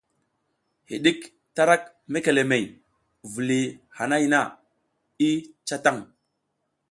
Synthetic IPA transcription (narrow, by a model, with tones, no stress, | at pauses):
hḭ˨ɗi˦k | ta˦ɾa˦k̚ | me˦ke˨le˨me˨j | vu˨li˨ha˨na˦jna˦˨ | i˦t͡ʃa˦ta˦˨ŋ